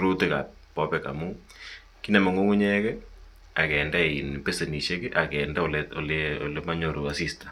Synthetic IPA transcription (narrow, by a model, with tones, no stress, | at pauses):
ɾu˦ti˦ka̰˨p̚ː | pɔ˦pɛka̰˨mu | ki˦na˨mo˨ŋo˦ŋu˦ɲɛkɛ | a˨kɛ˨nda˦˨i˨npe˦se˨ni˨ʃe˦ki˦ʔa˨kɛnda˦o˨lɛo̰˨leo̰˨lema˦ɲo˨ɾo˨a˨sistḁ˨